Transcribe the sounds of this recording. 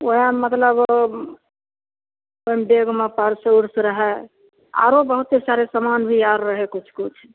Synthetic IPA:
oamət̪ləb | oimbeɡmepəɾseuɾsɾəɦɛ | a̰ɾobəɦut̪ːesaɾesəmanbʱiaɾːəɦɛkut͡ʃʰkut͡ʃʰ

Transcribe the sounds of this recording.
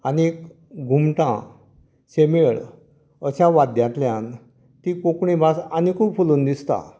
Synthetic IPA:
anik | ɡʱumʈã̰ | ɕemeɭ | əɕaʋad̪jãt̪ljãn | t̪ikokɳibʱasanikʰuːbfuluːnd̪ist̪a̰

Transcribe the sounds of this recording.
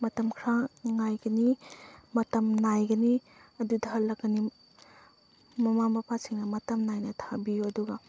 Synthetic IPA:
mɐtɐmkʰɾaŋajɡɐnimɐtɐmnajɡɐniɐdudʱɐɾlɐkɡɐni | mɐmamɐpʰasiŋnɐmɐtɐmnajnɐtʰabijuɐduɡɐ

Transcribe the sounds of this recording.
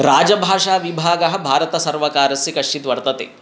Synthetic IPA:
ɾaːd͡ʒɐbʱaːʂaːʋibʱaːɡɐɦɐ̆bʱaːɾɐt̪ɐsɐɾʋɐkaːɾɐsːikɐʂt͡ʃit̪ʋɐɾt̪ɐt̪ḛː

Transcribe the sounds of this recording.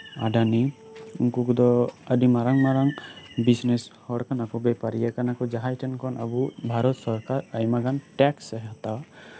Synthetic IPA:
a̰ɖani | uŋkukd̪ɔəɖimaɾaŋmaɾaŋbisneshɔɽkanakɔbɛpaɾijakanakɔd͡ʒaɦajʈɛnkɔnʔa̰bubʱaɾɔt̪sɔɾkaɾajmaɡanʈɛksɛɦat̪awa

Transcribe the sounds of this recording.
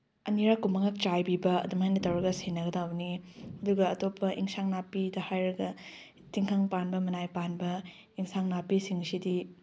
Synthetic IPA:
ɐniɾakːumɐŋak̚t͡ʃajbibɐɐ̰dumhajnɐtɐwɾɐɡɐsenɐɡɐdawniɐduɡɐɐtopʰːɐʔiŋsaŋnapidɐhajɾɐɡɐ | tiŋkʰaŋpanbɐmɐnajpanbɐ | iŋsaŋnapisiŋsidi

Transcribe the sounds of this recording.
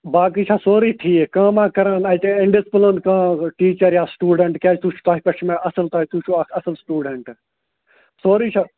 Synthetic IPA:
baːk̬iːt͡ʃʰaːsoːɾiːt̪ʰiːekãːmãːkɐɾãːnɐjt̪eɪɳɖɪspəlonkãːʈiːt͡ʃɐɾjaːsʈuːɖeɳʈkʲjaːt͡ʃt̪ut͡ʃʰu̥t̪aːɦipɐt͡ʃʰmẽʔɐsəlt̪aːɦit̪ut͡ʃʰuɐkʰɐsəlsʈuːɖeɳʈ | soːɾiːt͡ʃʰa

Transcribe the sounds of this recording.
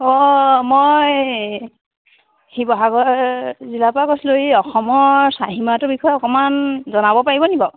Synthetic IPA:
ɔmoj | hibɔɦaɡɔɹɹzilapakɔslojiɔxɔmɔɹsaɦimatʊbikʰɔjɛɔkɔmanzɔnabɔpaɹibɔnibɔ

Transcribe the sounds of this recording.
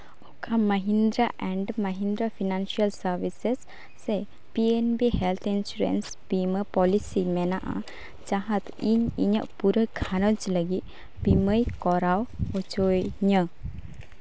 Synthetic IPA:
ɔkʰaməɦind̪ɾaʔɛɳɖməɦind̪ɾapʰinansiəlsəɾbisesː | e | pienbihɛlt̪ʰinsuɾḛns | biməpɔlisimɛnaʔa̰ | t͡ʃaɦət̪iɲḭɲəʔpuɾəkʰanəd͡ʒləɡit̪̚ | biməjkɔɾawɔt͡ʃojɲə

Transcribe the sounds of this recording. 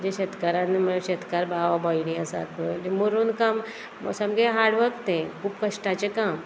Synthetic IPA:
d͡ʑeɕet̪kaɾãneməɕet̪kaɾbaʋabajɽĩasa̰t̪ʰʋəlimuɾuːnkam | samɡẽɦaɽʋəkt̪ẽkʰuːpkəʂʈat͡ɕekam

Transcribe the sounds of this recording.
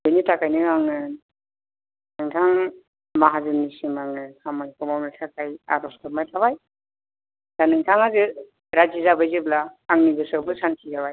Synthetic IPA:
bɯjnitʰakajnɯaŋɯ | nɯŋtʰaŋ | maɦazɯnːisimaŋɯhamajkɔmawnetʰakaja̰ɾɔstamajtʰabaj | z̥anɯŋtʰaŋazɯ | ɾad͡ʒizabajzɯblaːŋniɡɯsɯbɯsansʰizaβaj

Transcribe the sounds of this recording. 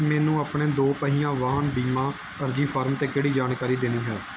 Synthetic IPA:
mɛːnũːaːpɳeːd̪oːpəɦiːjãːʋaːɦənbiːmãː | əɾd͡ʒiːpʰaːɾmt̪eːkeːɽiːd͡ʒaːnkaːɾiːd̪eːnĩːɦɛː

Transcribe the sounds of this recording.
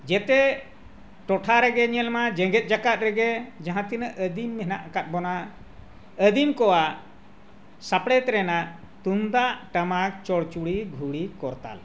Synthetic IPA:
d͡ʒɛt̪ɛ | ʈɔʈʰaɾɛɡɛɲɛlmad͡ʒɛ̃ɡɛt̪̚ˀd͡ʒakat̪̚ɾɛɡɛd͡ʒãɦãt̪inəʔəd̪imːɛnaʔakat̪̚ˀbɔna | əd̪imkɔwa | sapɽɛt̪ɾɛnaʔ | t̪und̪aʔʈamak̚t͡ʃɔɽt͡ʃuɽiɡʱuɽikɔɾt̪a̰l

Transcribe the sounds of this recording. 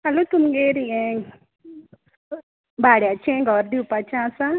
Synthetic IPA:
alʊt̪umɡeɾiɛŋ | baɽɛat͡ʃeŋɡɔɾdupat͡ʃasa

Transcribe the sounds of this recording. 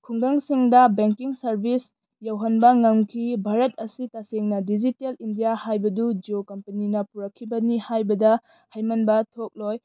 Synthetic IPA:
kʰuŋɡaŋsiŋdɐbeŋkiŋsɐɾbʱis | jawɦɐnbɐŋɐmkʰibʱaɾɐt̚ʰɐsitaseŋnɐdid͡ʒitelindijahajbɐdud͡ʒokɐmpɐninɐpuɾɐkʰːibɐnihajbɐdɐ | hɐjmɐnbɐtʰok̚loj

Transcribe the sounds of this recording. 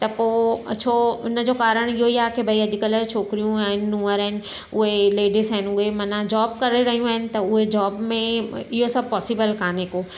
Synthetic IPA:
t̪ɐpoːɐt͡ɕʰoːʊnəd͡ʑokaːɾəɽ̃ɪɦoiaːkebʱɐiɐdɪkələɾt͡ʃʰoːkɾijũaːɦɪnɪːũːəɾəɦɪnɪ̆ | ʊɦeleːɖɪsəɦɪn̆ʊɦemɐnad͡ʑɔːbkɐɾeɾɐɦijũaːɦɪnɪ̆t̪ɐʊɦed͡ʑɔːbmẽɪɦosɐb̚pɔːsɪbəlkaːnekoː

